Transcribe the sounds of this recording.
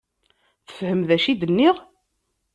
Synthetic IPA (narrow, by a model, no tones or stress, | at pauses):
θə̥fhəmðæʃid̪ənːiʁ